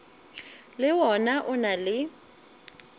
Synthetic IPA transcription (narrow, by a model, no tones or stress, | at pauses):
lɪwɔnaʔʊnalɪ